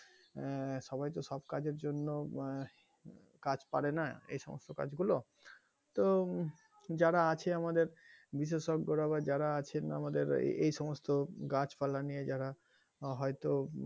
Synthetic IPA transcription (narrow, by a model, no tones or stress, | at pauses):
ʃɔbajt̪oʃɔbkad͡ʑeɾd͡ʑonːo | kad͡ʑpaɽenaḛjʃɔmo̰st̪oka̰d͡ʑɡulo | t̪o | d͡ʑaɾaat͡ɕʰeamad̪eɾbiʃ̬eʃoɡːoɾaβad͡ʑaɾaat͡ɕʰena̰mad̪eɾ̰ejʃɔmost̪oɡat͡ɕfalanijed͡ʑaɾa | ɦɔjt̪o